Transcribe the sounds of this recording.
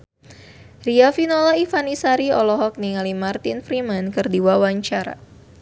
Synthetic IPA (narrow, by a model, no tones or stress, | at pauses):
riafinolaifanisaɾiɔlɔɦɔk̚niŋalimart̪infɾimankɨrdiwawaɲt͡ʃaɾa̰